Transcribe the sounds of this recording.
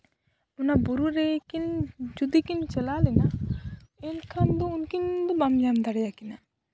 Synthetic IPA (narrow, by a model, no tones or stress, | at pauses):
unaboɾuɾekind͡ʒud̪ikint͡ʃelalena | enkʰand̪ounkind̪obamd͡ʒamd̪aɽjakina